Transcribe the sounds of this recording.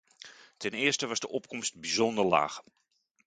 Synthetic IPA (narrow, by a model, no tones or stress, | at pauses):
tɛnɪːɹstəʋɑzdəʔɔp̚kɔmstbizɔndəɹla̰ːχ